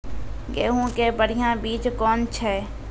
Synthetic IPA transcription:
ɡeːɦõkebəɽ̤ijãbiːt͡ʃkɔːnt͡ʃʰɛː

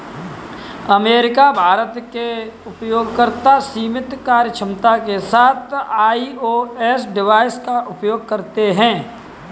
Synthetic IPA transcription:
ɐmeːɾɪkabʱaːɾət̪keʊpjoːɡkəɾt̪asiːmɪt̪kaːɾjət͡ʃʰɪmt̪akesaːt̪ʰaːioɛːsɖɪʋaːɪskaʔʊpjoːɡ̚kɐɾt̪eɦɛ̃ː

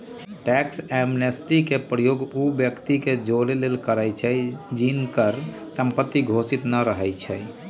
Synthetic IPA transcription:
ʈɛksɛmnesʈikepɾəjoɡubjəkt̪iked͡ʒoɾelelkəɾəjt͡ʃʰɛd͡ʒinkəɾ | səmpət̪ːiɡʱosit̪nəɾəɦɛjt͡ʃʰɛj

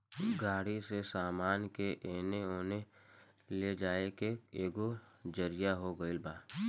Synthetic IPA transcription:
ɡaːɽisesaːmaːnkeʔeːneoːne | led͡ʒaːekeeːɡod͡ʒəɾɪjaɦoɡəɪlbaː

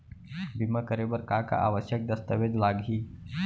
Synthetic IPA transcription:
bimakəɾebəɾkaka̰ʔaːʋəʃjək̚d̪əst̪əʋed̪laɡʱɦiː

